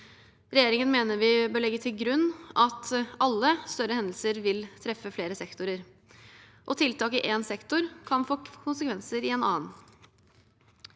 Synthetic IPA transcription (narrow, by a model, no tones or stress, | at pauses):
ɾɛjeːɾɪŋənmeːnəɾʋɪbøːɭɛɡːət̪ʰɪlɡɾʉnːɑt̪ɑlːəst̪œɾəhɛnd̪l̩səɾʋɪlt̪ʰɾɛfːəfleːɾəsɛkt̪ʊɾəɾ | ʔɔt̪ʰɪlt̪ɑːkɪʔeːnsɛkt̪ʊɾkʰɑnfoːkʰʊnsəkʰʋɛnsəɾɪeːnɑ̰ːən